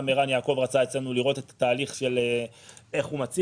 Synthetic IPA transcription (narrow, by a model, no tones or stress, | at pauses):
meʁanjaːko̞vʁat͡sae̞t͡slenuliʁo̞tet̪ḁtaːliχʃe̞lee̞χhumat͡si